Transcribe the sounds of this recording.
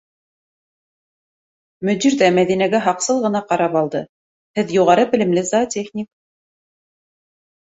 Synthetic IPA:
mɵ̆d̪iɾðæmæðinæɡæɦɑqsɤlˠʁɤ̆nɑqɑɾɑpɑlˠd̪ɤ | hɘðjuʁɑɾɤbɘ̆lɘ̆mlɘzat̪ʲeχnʲik

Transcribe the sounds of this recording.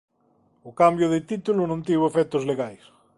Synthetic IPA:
ʊkambjʊðɪt̪it̪ulʊnõnt̪iβoefɛt̪ʊzleɣajs

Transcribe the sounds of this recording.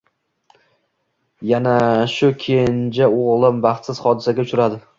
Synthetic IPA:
janaʃʊkʲʰend͡ʒaoʁlˠɪmbɑχt̪sɪz̥χɒd̪ɪsaɡʲaʊt͡ʃʊɾad̪ɪ

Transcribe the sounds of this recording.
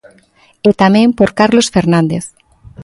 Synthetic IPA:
et̪amẽmpoɾkaɾlosfeɾnãnd̪eθ

